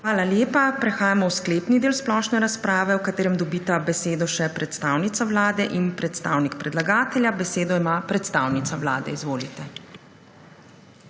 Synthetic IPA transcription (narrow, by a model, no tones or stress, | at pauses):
xʋaːlaljeːpapɾɛxaːjamɔwskleːpnid̪eːlsplɔʃnɛɾaspɾaːʋɛwkat̪eːɾɛmd̪ɔbiːt̪abɛseːd̪ɔʃɛpɾɛt̪st̪aːwnit̪sawlaːd̪ɛʔinpɾɛt̪st̪aːwnikpɾɛd̪laɡaːt̪ɛljabɛseːd̪ɔimapɾɛt̪st̪aːwnit̪saʋlaːd̪ɛ̰izʋoːlit̪ɛ